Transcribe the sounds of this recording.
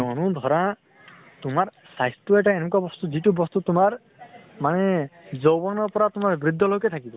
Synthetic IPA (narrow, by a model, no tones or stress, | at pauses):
ɔnud̪ʱɔɾa | t̪ʊmaɹ | sajst̪uɛʈaenɔk̬uabɔst̪uzitubɔst̪ut̪ʊmaɹ | manɛzowbɔnɔɹpɔɾat̪ʊmaɹbɹid̪ʱːɔlojkɛt̪ʰakibɔ